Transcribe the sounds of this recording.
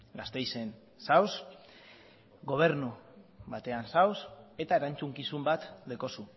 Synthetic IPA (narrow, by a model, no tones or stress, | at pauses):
ɡast̪e̞jse̞n | saws | ɡo̞β̞e̞ɾnuβat̪e̞ansawse̞t̪ae̞ɾant͡suŋkisumbat̪leko̞su